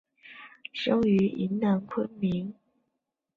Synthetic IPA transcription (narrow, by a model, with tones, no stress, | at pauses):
ʂɤ˥ŋy˧˥ḭ˧˥nna˨˩nkʰwə˥nmi˧˥ŋ